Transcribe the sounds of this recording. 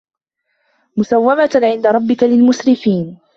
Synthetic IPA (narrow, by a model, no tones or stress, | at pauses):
mʊsawːamaʕɪnd̪aɾˤɑbːɪkalɪlmʊsɾɪfiːn